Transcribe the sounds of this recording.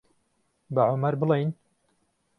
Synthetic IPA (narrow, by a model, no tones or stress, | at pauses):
baʕomɐɾbɨlejn